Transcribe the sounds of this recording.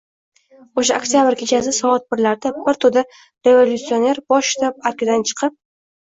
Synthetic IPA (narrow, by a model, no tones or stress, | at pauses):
oʃ̬aokt̪jabɪɾkʲʰet͡ʃʰasɪsɒɒt̪̚bɪɾlaɾd̪abɪɾt̪ʰʊd̪a | ɾe̞volʲut̪sio̞ne̞ɾbɒʃt̪ʰap̚aɾkʲɪd̪ant͡ʃʰɨ̥qʰɨp̚